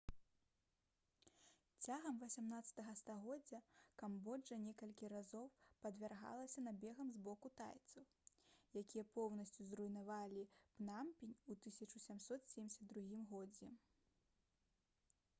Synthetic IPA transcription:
t͡sʲaɣɐmvɐsʲamnat̪sɐ̥t̪ɐɣɐst̪aɣɔd͡zʲːɐkambɔd͡ʐɐnʲɛkɐlʲkʲiɾazɔwpɐd̪vʲarɣa̰lˠɐsʲɐnabʲɛɣɐmzbɔkut̪a̰jt̪sɐw | jakʲijɐpɔwnɐsʲt͡sʲuzrujnavalʲipnampʲinʲut̪ɨsʲɐt͡ʂusʲamsɔt̪sʲɛmʲɪsʲɐd̪̚d̪ɾuɣʲimɣɔd͡zʲɛ

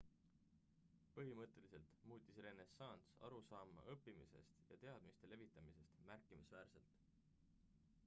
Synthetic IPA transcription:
pɤɦimɤt̪ːˑe̞lise̞lt̪muːt̪ʲˑisre̞ne̞sɑnsɑ̰ɾusɑːmːɑ̰ʔɤpːimise̞̰st̪jɑ̰t̪e̞ɑd̪̥mist̪e̞le̞vit̪ːˑɑmise̞st̪mærkːˑimisvæːɾse̞lt̪ˑ

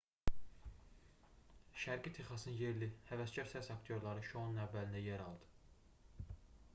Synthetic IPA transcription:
ʃæɾɡit̪ʰeχɑsnɯnje̞ɾlihævæsɟɑɾsæsɑkt̪ʰijo̞ɾlˠɑɾɯʃonunævːælind̪æjæɾɑlˠd̪̥ɯ̥

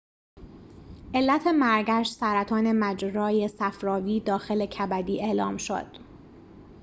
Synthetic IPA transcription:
ʔe̞lːæt̪ʰe̞mæɾɡæʃsæɾæt̪ʰɒːne̞mæd͡ʒɾɒːje̞sæfɾɒːviːd̪ɒːxe̞le̞cʰæbæd̪iːe̞ʔlɒ̰ːmʃo̰d̪̥

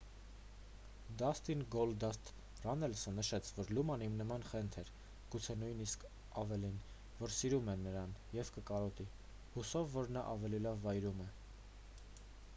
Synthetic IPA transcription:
d̪ɑst̪inɡɔld̪ɑst̪ | rɑnɛlsənəʃɛt͡sʰvɔɾlumɑnimnəmɑnχɛnt̪ʰɛɾ | ɡ̥ut͡sʰɛnujniskʰ | ɑvɛlin | vɔɾsiɾumɛnːəɾɑnjɛvkəkɑɾɔt̪i | husɔvːɔɾnɑʔɑvɛlilɑvːɑjɾumɛ

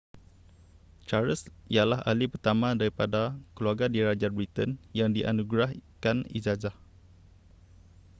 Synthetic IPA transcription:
t͡ʃaɾəsijalaɦa̰lipərt̪amãdaɾipadakəluarɡadiɾad͡ʒar̚bɾit̪ənjaŋdiʔa̰nuɡɾahkanḭzazah

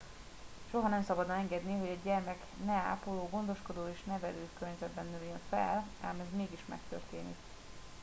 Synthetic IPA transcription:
ʃo̞ɦɒnɛmsɒbɒd̪ɒmɛŋɡɛd̪niɦo̞ɟɛɟɛrmɛknɛa̰ːpoloːɡo̞nd̪o̞ʃko̞d̪oːeːʃnɛvɛløːkørɲɛzɛd̪̚bɛnːøːjøɱfɛ̰la̰ːmɛzmeːɡiʃmɛ̰k̚t̪ʰø̰rt̪eːnḭk

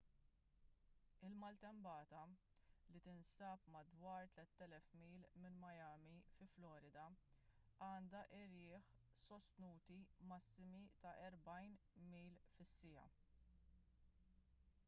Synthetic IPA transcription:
ɪlmɐlt̪ɛmbɐːt̪ɐ | lit̪ɪnsɐːpmɐd̪wɐːɾt̪lɛt̪ːɛlɛfmiːlmɪnmɐjɐːmifɪflɔːɾɪd̪ɐ | ɐːnd̪ɐʔɪɾɪːħsɔst̪nuːt̪imɐsːɪmit̪ɐʔɛɾbɐjnmiːlfɪsːɪjɐ̰

